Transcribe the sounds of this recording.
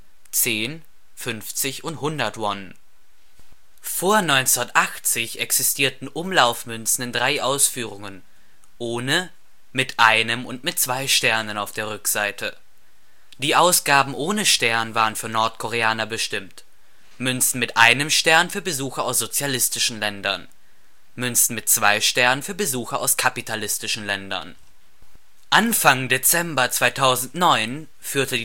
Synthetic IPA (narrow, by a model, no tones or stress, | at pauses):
t͡seːn | fʏnft͡sɪçʊnthʊndɐtvɔn | foːɐnɔʏnt͡stʔaχt͡sɪçʔɛksɪstʰiːɐtn̩ʔʊmlaʊfmʏnsn̩ɪndʁaɪʔaʊsfyːʁ̞ʊŋən | ʔoːnə | mɪtʔaɪnəmʊntmɪt̚t͡sv̥aɪʃtɛɐnənaʊfd̥eːɐʁʏkz̥aɪtʰə | d̥iːʔaʊsɡ̥aːbm̩ʔoːnəʃtɛɐnənvaːʁənfyːɐnɔɐtkʰoʁ̞eaːnɐbəʃtɪmt | mʏnsn̩mɪtʔaɪnəmʃtɛɐnfyːɐbəzuːxɐaʊsz̥ot͡sjalɪstɪʃn̩lɛndɐ̰n | mʏnsn̩mɪtt͡sv̥aɪʃtɛɐnənfyːɐbəzuːxɐa̰ʊskʰapitʰalɪstɪʃn̩lɛndɐ̰n | ʔanfaŋdet͡sɛmbɐt͡sv̥aɪtʰaʊzn̩tnɔʏn | fyːɐtədiː